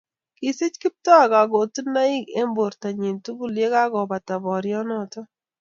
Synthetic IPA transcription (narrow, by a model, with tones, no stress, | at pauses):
kɪ˨sɪ˦t͡ʃkɪ˦p̚tɔ˦a˨ɡa˨ɡo˨tu˦na˦i˦ɡḛ˦mbo˨ɾta˨ɲe˨ntu˦ɡu˨lje˦ka˦ɡɔ˨ba˨ta˨bɔ˨ɾjɔ˦nɔ˨tɔ˦